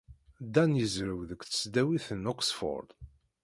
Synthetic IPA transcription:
d̪ænjəzɾəwðəkθə̥sd̪æwiθənɔksfɔ̰ɾd̪

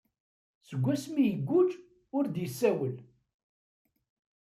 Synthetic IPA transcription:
səɡʷːæsmijəɡʷːʊd͡ʒ | ʊɾd̪jəsːæwəl

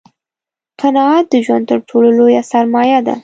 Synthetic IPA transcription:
qʰanɑɑt̪̚d̪əʒwand̪̚t̪əɾʈʰololojasaɾmɑjad̪a̰

